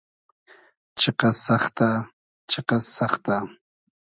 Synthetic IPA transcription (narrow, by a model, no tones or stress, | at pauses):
t͡ʃeqɑsɑχt̪a | t͡ʃeqɑsɑχt̪a